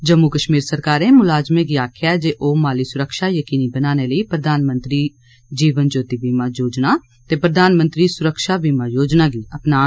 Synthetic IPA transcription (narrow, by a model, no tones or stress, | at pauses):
d͡ʒəmːukəʃmiːɾsəɾkaːɾẽːmʊlaːd͡ʒmẽːɡiːaːkʰɪjaːd͡ʒeːʔoːmaːliːsʊɾəkʃaːjəkiːniːbənaːneːləiːpɾəd̪ʱaːnmə̃nt̪ɾiː | d͡ʒiːʋənd͡ʒoːt̪iːbiːmãːd͡ʒoːd͡ʒnaː | t̪eːpɾəd̪ʱaːnmə̃nt̪ɾiːsʊɾəkʃaːbiːmãːjoːd͡ʒnaːɡiːəpnaː